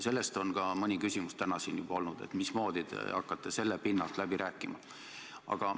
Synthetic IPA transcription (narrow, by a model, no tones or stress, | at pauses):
se̞lːe̞st̪o̞nkɑmɤnʲikysʲimust̪ænɑsiːnjub̥ɑo̞lnud̪̥e̞̰t̪ˑmismo̞ːd̪̥id̪ḛɑkːˑɑt̪ːˑe̞se̞lːepinːɑlt̪ˑlæbiɾæːkːˑimɑ̰ | ɑ̰ɡ̥ɑ